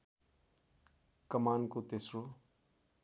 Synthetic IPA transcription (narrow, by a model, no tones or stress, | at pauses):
kʌmaːnkot̪esro